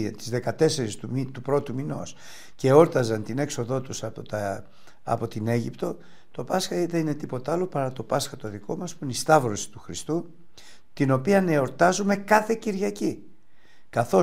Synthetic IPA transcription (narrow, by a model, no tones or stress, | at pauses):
t̪izðe̞kɐt̪e̞se̞ɾist̪umit̪upɾo̞t̪umino̞̰s | ce̞o̞ɾt̪ɐzɐnt̪ine̞kso̞ðo̞t̪usɐpoɐ | ɐ̰po̞t̪ine̞ʝipt̪o̞ | t̪o̞pɐsxɐiðenine̞t̪ipo̞t̪ɐlo̞pɐɾɐt̪o̞pɐsxɐt̪o̞ðiko̞mɐspuineist̪ɐvɾo̞si̥t̪uxɾist̪u | t̪ino̞piɐneo̞ɾt̪ɐzume̞kɐθe̞ciɾʝɐci | kɐθo̞